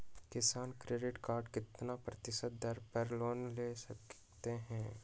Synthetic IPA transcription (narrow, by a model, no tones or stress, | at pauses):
kɪsaːnkɾeːɖɪʈkaːɾɖkɪt̪napɾɐt̪ɪʃət̪̚d̪ɐɾpəɾloːnleːsɐk | t̪eɦɛ̃ː